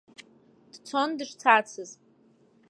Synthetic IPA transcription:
d̥t͡sʰondɨʂt͡sʰat͡sʰɨz

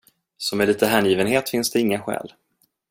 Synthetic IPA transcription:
sɔmɛliːt̪əɦænjiːvənheːt̪fɪnsd̪ɛɪŋːaɧɛ̰ːl

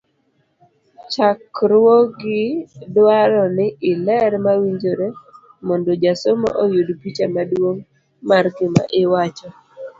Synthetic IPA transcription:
t͡ʃakɾwoɡɪdwaɾɔnɪɪlɛɾmawiɲd͡ʒoɾe | mɔndod͡ʒasomɔ̰ʔojudpit͡ʃamadwoŋ | markɪma̰ʔɪwat͡ʃɔ

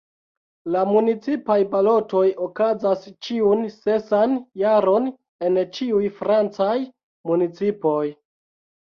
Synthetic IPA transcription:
lamunit͡sipajbalo̞to̞jokazast͡ʃiunsesanjaɾo̞n | e̞nt͡ʃiujfɾant͡saj | munit͡sipo̞j

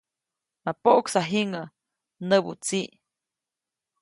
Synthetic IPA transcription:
mapoʔksaɦiŋə | nəbṵt͡siʔ

